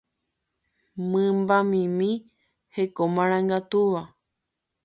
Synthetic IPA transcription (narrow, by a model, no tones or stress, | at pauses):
mɨ̃mbamĩmĩ | hekomãɾ̃ãŋɡat̪uʋa